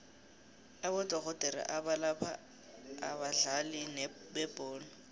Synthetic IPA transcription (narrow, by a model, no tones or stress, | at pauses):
abʊtʼɔɣɔtʼɛɾa̰ʔabalapʰa̰ | abaɮalɪnɛ | bɛbʼɔːlɔ